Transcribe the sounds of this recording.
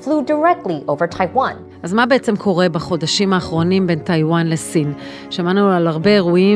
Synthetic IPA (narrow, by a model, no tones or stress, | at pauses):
fludə˞ɛk̚tˡliʔoʊvə˞tʰaɪwãn | ʔazmabe̞et͡se̞mkʰo̞ʁe̞baχo̞daʃimaːχʁo̞nimbe̞ntajwanlesin | ʃemanualaʁbe̞eʁui